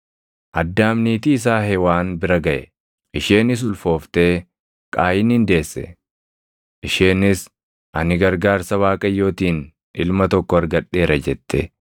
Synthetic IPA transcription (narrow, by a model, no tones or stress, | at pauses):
ʔɐd̪ːaːmniːt̪iːs̬aːɦɛwaːnbɪɾɐɡɐʔɛ̰ | ʔɪʃeːnɪs̬ʊlfo̞ːft̪e̞ː | kʼaːjɪnhɪnd̪e̞ːsːɛ̰ | ʔɪʃeːnɪs | ʔɐnɪɡɐɾɡaːɾsɐwaːkʼɐjːo̞ːt̪iːn | ʔɪlmɐt̪ɔkːɔɐɾɡɐᶑe̞ːɾɐd͡ʒɛt̪ːɛ